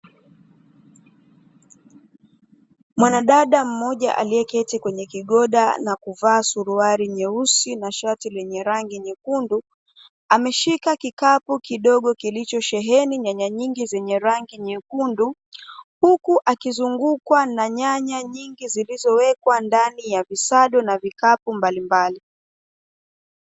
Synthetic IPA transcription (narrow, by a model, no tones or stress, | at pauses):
mwanaɗaɗam̩mɔʄa̰ʔa̰liɛkɛtikwɛɲɛkiɠɔɗa̰nakuvaːsuɾuaɾiɲɛusinaʃatilɛɲɛɾaŋɡiɲɛkundu | amɛʃikakikapukiɗɔɠɔkilit͡ʃɔʃɛɦɛniɲaɲaɲiŋɡizɛɲɛɾaŋɡiɲɛkundu | hukuʔakizuŋɡukwanaɲaɲaɲiŋɡizilizɔwɛkwandanijavisaɗɔnavikapumbalimbali